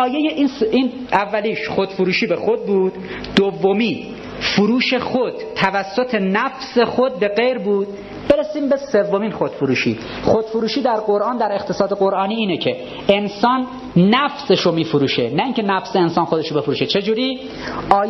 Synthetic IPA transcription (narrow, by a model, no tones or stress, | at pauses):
ɒːjejeʔinsin | ævːæliːʃχod̪̥fuɾuːʃiːbexod̪̚buːd̪̥ | d̪ovːomiː | fuɾuːʃe̞xod̪̥t̪ʰːævæsːot̪ʰe̞næfse̞xod̪̚be̞ɣejɾbuːd̪̥̚ | b̥e̞ɾesiːmbe̞sevːomiːnxod̪̥foɾuːʃḭː | xod̪̥foɾuːʃiːd̪æɾɢo̞ɾʔɑːnd̪æɾe̞xt̪ʰe̞sɒːd̪eɡoɾʔɒːniːiːnecʰe̞ | ensɒːnː | æfseʃomiːfoɾuːʃenæiːŋcʰe̞næfseːnsɒːnxod̪eʃobe̞foɾuːʃet͡ʃʰe̞d͡ʒuːɾiː | ʔɒː